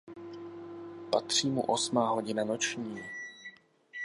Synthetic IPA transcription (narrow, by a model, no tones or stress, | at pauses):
pa̰t̪r̝̥iːmṵʔosmaːɦoɟɪnanot͡ʃɲiː